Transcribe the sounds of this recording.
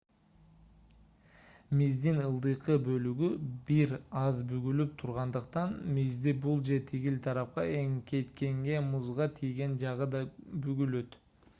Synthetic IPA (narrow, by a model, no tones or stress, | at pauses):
mizd̪inɯlˠd̪ɯjqɯbø̞lyɡybiɾɑzbyɡylyp̚t̪ʰuɾʁɑnd̪ɯqt̪ɑnmizd̪ibulˠd͡ʒet̪ʰiɡilt̪ʰɑɾɑp̚qɑe̞ŋke̞t̪ke̞ŋɡe̞muzʁɑt̪ʰijɡe̞nd͡ʒɑʁɯd̪ɑbyɡylø̞t̪